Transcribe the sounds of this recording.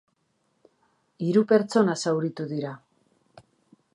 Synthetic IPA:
iɾupe̞ɾt͡so̞nasawɾit̪uðiɾa

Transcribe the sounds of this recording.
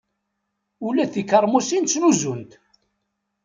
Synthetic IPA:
ulæθikːəɾˤmusint͡sːluzunt̪

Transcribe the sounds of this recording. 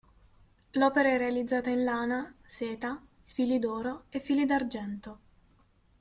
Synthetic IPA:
lɔːpeɾaɛrːealid̪zːaːt̪ainlaːnaseːt̪a | fiːlid̪ɔːɾoefːiːlid̪ard͡ʒɛnt̪o

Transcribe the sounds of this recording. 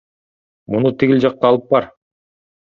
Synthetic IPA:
munut̪ʰiɡʲilʲd͡ʒɑq̚t̪ɑːlˠɯp̚bɑɾ

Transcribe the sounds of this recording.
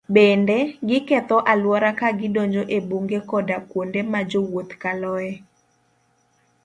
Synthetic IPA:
bendeɡɪkɛt̪ɔʔalwɔɾakaɡɪdoɲd͡ʒoʔebuŋɡekɔdakwondemad͡ʒowot̪kalɔɛ

